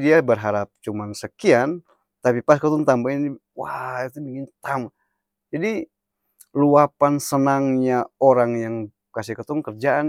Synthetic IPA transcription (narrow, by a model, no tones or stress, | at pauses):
diabərɦaɾap̚t͡ʃumansəkian | t̪apipaskət̪ʊnt̪ambaini | wait̪ubiŋɪnt̪ama | d͡ʒadi | luapansənaŋɲaoɾaŋjaŋ | kasɪhkət̪ʊŋkərd͡ʒaan